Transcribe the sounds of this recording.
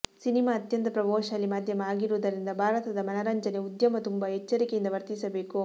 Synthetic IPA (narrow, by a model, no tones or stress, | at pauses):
sinimaːɐt̪jɐnt̪ɐpɾɐbɔːʃɐɐlːimaːd̪ʱjɐmɐaːɡiɾuːd̪ɐɾind̪ɐbʱaːɾɐt̪ɐd̪ɐmɐnɐɾɐɲd͡ʒɐneud̪jɐmɐt̪umbɐɦɛt͡ʃːɐɾikejind̪ɐʋɐɾt̪isɐbe̞ːku